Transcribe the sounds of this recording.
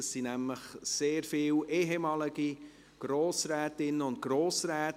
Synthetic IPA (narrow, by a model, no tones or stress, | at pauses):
əsinæmləχseːɾfɪːwʔeɦemɑːlɪɡi | ɡ̥ɾoːsɾɛːtɪnːəʊnt̚ɡ̥ɾoːsɾɛːt